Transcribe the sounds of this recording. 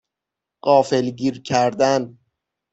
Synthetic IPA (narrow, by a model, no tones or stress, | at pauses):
ɢɒːfe̞lɟiːɾcʰæɾd̪æn